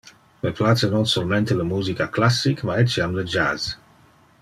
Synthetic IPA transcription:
məplasənɔ̃nsolmẽnt̪eləmuːzikaklasːikmaɛt͡ʃːiamləd͡ʒa̰z

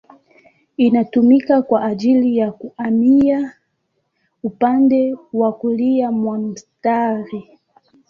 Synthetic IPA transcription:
inatumikakwaʔad͡ʒilijakuʔamia | upandɛwakulijamwanm̩staɾi

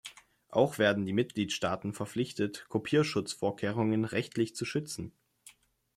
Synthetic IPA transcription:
ʔa̰ʊxv̥eːɐdn̩diːmɪt̚ɡ̥liːtʃtaːtn̩fɛɐflɪçtətkʰopʰiːɐʃʊt͡sfoːɐkʰeːʁ̞ʊŋənʁɛçtlɪçt͡suʃʏt͡sn̩

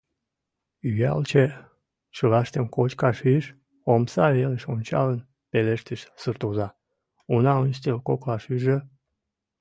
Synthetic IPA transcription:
yjɑ̰lt͡ɕe | t͡ɕəlɑʃt̪əmkot͡ɕkɑʃyʃ | omsɑβeləʃonʲt͡ɕɑ̰lən | peleʃt̪əʃsɨrt̪ozɑ | unɑənʃt̪elkoklɑʃyʒə

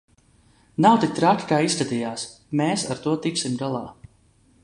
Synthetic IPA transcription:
nawt̪ik̚t̪ɾakʲi̥kaːist̪ad̪ijaːs | meːsaɾt̪uɔt̪ik̪simd̪alˠaː

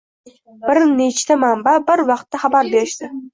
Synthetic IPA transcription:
b̥ɪɾnet͡ʃt̪amambabɪɾvɑqt̪ːaχɑbaɾbe̞ɾɪʃd̪ɪ

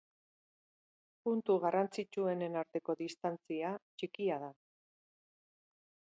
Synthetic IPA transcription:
punt̪uɣarant͡sit͡ʃue̞ne̞naɾt̪e̞ko̞ðist̪ant͡siat͡ʃikiaða

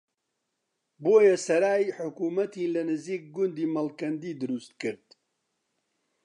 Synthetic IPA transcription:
boːjɐsɐɾaːjħʊkuːmɐt̪iːnlɐnɨziːk̚ɡʊnd̪iːmɐlkɐnd̪iːd̪ɨɾust̪̚kɨɾd̪

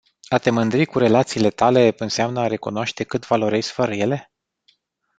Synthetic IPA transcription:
at̪e̞mɨnd̪ɾikuɾe̞lat̪siːle̞t̪ale̞ɨnseamnəaɾe̞kunoaʃt̪e̞kɨt̪valo̞ɾesfəɾəje̞le̞

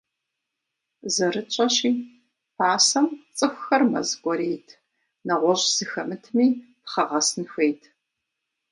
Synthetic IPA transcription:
zɐɾɨt͡ʃʼɐɕiː | pʰaːsɐmt͡sʼɨxʷxɐrmɐ̰zɡʷɔɾeːtʰ | nɐʁʷɔɕʼz̥ɨxɐmɨtʰmiːpχɐʁɐsɨnxʷeːjtʰ

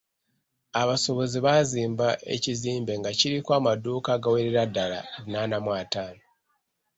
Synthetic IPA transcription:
aβaso̞βo̞ziβaziːmbaʔe̞̰ciziːmbe̞ŋɡaciɾikwaːmaduːkaːɡaweɾeɾadːala̰nanamwaːtaːno

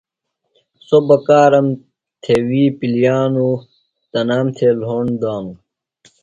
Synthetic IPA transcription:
sobɐkaːɾɐm | t̪ʰewiːpilijaːnu | t̪ɐnaːmt̪ʰelɦoːɳd̪aːm

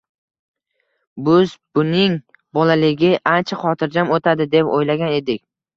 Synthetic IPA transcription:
bʊzbʊnɪŋ | bɒlalɪɡʲɪʔant͡ʃʰaχɒt̪ʰɪɾd͡ʒamot̪ʰad̪ɪd̪e̞po̰jlaɡʲane̞d̪ɪkʲ

